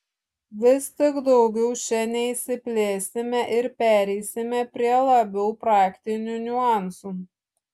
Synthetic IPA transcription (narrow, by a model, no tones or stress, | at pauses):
ʋʲɪst̪ʲɪɡd̪ɒʊɡʲɛʊʃʲɛnʲɛisʲɪpʲlʲeːsʲɪmʲɛʔɪɾpʲæːɾʲɛɪsʲɪmʲɛpʲɾʲiɛlˠɐbʲɛʊpɾɑːkt̪ʲɪnʲunʲʊɑˑnsu